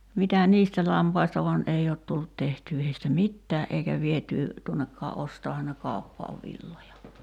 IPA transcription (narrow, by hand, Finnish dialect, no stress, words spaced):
mitæ niːstæ lɑmpɑistɑ ʋɑn ʔei oːt tulːut tehtyː heistæ mitːæːʔ ʔeikæ ʋietyː tuonːekːɑː ʔostɑːhɑn ne kɑˑu̞pːɑːʋ ʋilːojɑ